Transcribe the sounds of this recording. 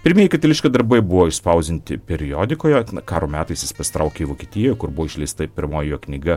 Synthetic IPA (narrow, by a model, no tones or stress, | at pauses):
pʲɪɾʲmʲiːjɛɪkɐt̪ʲɐlʲɪʃʲkɐd̪ɐɾbɐɪbʊʋoːɪʃspɐʊzʲd̪ʲɪnʲt̪ʲɪpʲɛɾʲɪoːd̪ʲɪkoːjɛɐkɑːɾoːmʲæːt̪ɐɪsjɪspɐsʲɪ̥t̪ɾʔɐʊkʲeiʋoːkʲiɛt̪ʲiːjɛjkʊɾbʊʋoːɪʃʲlʲɛɪst̪ɐpʲɪɾmoːjjoːknʲɪɡɐ